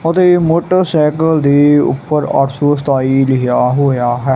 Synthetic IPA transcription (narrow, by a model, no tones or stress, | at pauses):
ʊt̪eːmʊːʈəɾsɛːkəld̪iːʊ̰pːəɾa̰ːʈsoːst̪aːiːlɪjaːɦoːjaːɦɛː